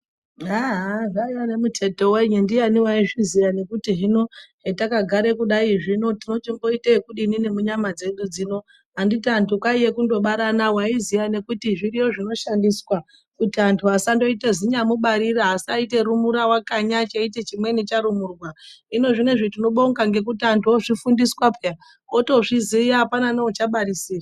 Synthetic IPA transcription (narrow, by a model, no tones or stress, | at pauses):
aɦaʐaijane̞mutʰe̞to̞weɲundianiwaiʐizijane̞kutiɦino̞ɦetakaɡʱaɾekuɗaiʐino̞tino̞t͡ʃiŋɡo̞itekuɗinine̞muɲamad͡ze̞ɗud͡zino̞ | ɦanditantukaije̞kundo̞ɓaɾanawaizijane̞kutiʐiɾijo̞ʐino̞ʃandiswa | kutiantʰuɦasando̞iteziɲamuɓaɾiɾaɦasaite̞ɾumuɾawakaɲat͡ʃaite̞t͡ʃimwe̞nit͡ʃaɾumurwaino̞ʐineʐitino̞ɓo̞ŋɡaŋɡe̞k̬utiantuoʐifundiswapea | oto̞ʐizijaapananeut͡ʃaɓaɾisiːra